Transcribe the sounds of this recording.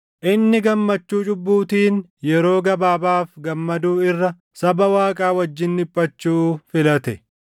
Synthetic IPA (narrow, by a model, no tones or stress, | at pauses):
ʔɪnːɪɡɐmːɐt͡ʃːuːt͡ʃʼʊbːuːt̪iːn | jɛɾo̞ːɡɐbaːbaːfɡɐmːɐd̪uːɪrːɐ | sɐbɐwaːkʼaːwɐd͡ʒːɪnːɪpʼːɐt͡ʃːuːfɪlɐt̪ɛ